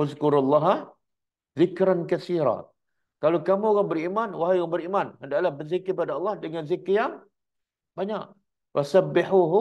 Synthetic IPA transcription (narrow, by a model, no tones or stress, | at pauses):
ʊzkʊɾalːɑɦa | zɪkɾankaθiɾa̰ | kalakamuoɣaŋbəɾimanwaɦajɣaŋbəɾimanhəndaʔlahbəzikɪpadaɑlˠˤːɑhdəŋanzikjaŋ | baɲa̰ʔ | wasabːɪħuɦ